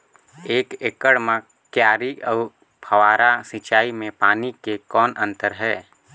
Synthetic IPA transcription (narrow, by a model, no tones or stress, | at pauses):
eːkeːkəɽmã | kjaːɾiɔːɾ | pʰəwaːɾasit͡ʃaːimẽpaːnikekɔːnə̃nt̪əɾɦɛː